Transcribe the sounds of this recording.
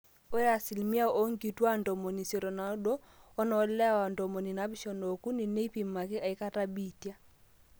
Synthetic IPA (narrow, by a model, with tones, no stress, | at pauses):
o˦e˦ɾa˨si˨lmi˦a˦o˦ŋɡi˨twa˦ndɔ˨mɔ˨ni˨se˨ɾɔ˨na˨˦ɗɔ˦ | ɔ˦nɔ˨˦lɛ˦˨wa˨ndɔ˨mɔ˨ni˨na˨˦bi˦ʃɔ˨no˨ku˦ni˨ne˦i˦pi˨ma˨kɪ˦ʔa˨i˦ka˦ta˦bi˦˨tja˦